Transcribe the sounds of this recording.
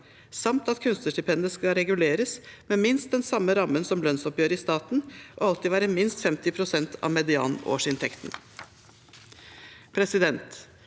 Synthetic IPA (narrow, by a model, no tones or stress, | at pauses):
sɑmt̪ɑt̪kʰʉnst̪əʂʈɪpʰɛnd̪əskɑɾɛɡʉleːɾəsmɛmɪnst̪̚d̪ɛnsɑmːəɾɑmːənsɔmlœnsɔpjøːɾəɪst̪ɑːt̪n̩ʔoːɑlt̪ɪʋæːɾəmɪnst̪fɛmt̪ɪpʰɾʊsɛnt̪ʰɑ̰ʋmɛd̪ɪɑ̰ːno̰ːʂɪnt̪ʰɛkt̪n̩ | pʰɾɛsɪd̪ɛnt̪